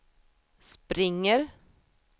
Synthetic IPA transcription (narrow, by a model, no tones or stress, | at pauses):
spɾɪŋːəɾ